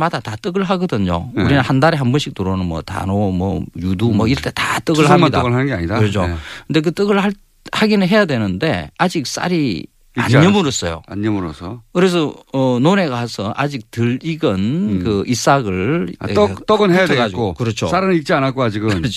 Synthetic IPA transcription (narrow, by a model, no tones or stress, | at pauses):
madatat͈ɯɡɯɭɦaɡʌdɯɲo̰uɾinahandaɾeɦambʌnɕʰik̚tuɾonɯnmʌta̰nomwʌ̰judumʌiɾʌɭtʰe̞tat͈ɯɡɯɭɦaaadʌɡɯɦanɯnɡeaɲidaɯɾʌt͡ɕʰokɯnde̞k̬ɯt͈ɯɡɯɭhaɭ | haɡinɯnɦe̞jadwe̞nɯnde̞̰ad͡ʑik̚s͈a̰ɾi | a̰ɲɲʌmɯɾos͈ʌjo̰aɲːʌmuɾosʰʌkɯɾe̞s̬ʰʌʌnone̞ɡaasʰʌʔad͡ʑik̚tɯɭiɡɯnkɯʔis͈aɡɯɭ | t͈ʌɡɯnɦejaɡad͡ʑiokɯɾʌt͡ɕʰosaɾɯik̚t͡ɕ͈ianak͈oad͡ʑiɡɯnɯt͡ɕʰ